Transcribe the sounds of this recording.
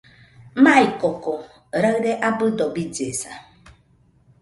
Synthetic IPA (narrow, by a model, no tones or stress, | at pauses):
maikɔkɔ | ɾaɣdeʔabʊdɔbid͡ʒesa̰